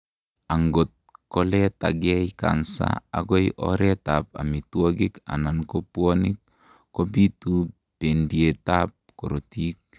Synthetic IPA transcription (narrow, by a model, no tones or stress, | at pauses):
aŋɡot̚kolɛtaɡɛjka̰nsa̰a̰ɡojʔɔ̰ɾɛtap̚a̰mituoɡika̰nankopuonik | kːobitu | pendietap̚koɾotik̚